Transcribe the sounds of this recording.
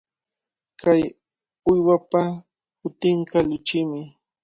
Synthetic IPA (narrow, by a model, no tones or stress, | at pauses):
kaj | ʊjwapa | hʊt̪ɪɴkɑʎʊt͡ʃɪmɪ